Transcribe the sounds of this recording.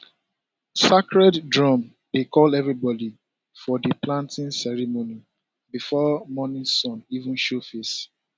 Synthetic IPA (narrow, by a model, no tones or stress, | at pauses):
sakɹɛddɹɔ̃m | dekʰɔlɛvɹibɔdi | fɔdəplãntĩnsɛɹimoni | bifɔmɔnĩsɔ̃nivũnʃofes